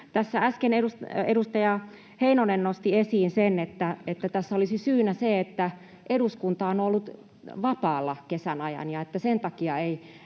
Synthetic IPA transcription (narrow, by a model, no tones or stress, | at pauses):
t̪æsːææskeneɾuseɾust̪ɑjɑ | heinonennost̪iesiːnsenet̪ːæet̪ːæt̪æsːæolisisyːnæseet̪ːæ | ʔeduskunt̪ɑonolːut̪ | ʋɑpɑːlːɑkesænɑjɑ̰njɑet̪ːæsent̪ɑkiɑei